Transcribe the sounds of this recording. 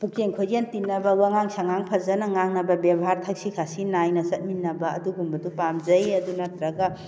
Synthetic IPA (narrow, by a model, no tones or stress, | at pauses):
pukeŋkʰojɡentinːɐbɐwaŋaŋsaŋaŋpʰɐzɐnɐŋaŋnɐbɐbebɦaɾtʰɐk̚sikʰasinːajnɐsɐt̚minːɐbɐɐ̰duɡumbɐdupamzɐjɐdunɐtɾɐɡɐ